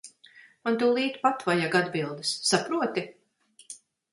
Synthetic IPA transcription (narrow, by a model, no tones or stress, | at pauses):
mant̪uːlˠiːt̪pat̪vajaɡad̪bilˠd̪ɨsːapɾuɔt̪i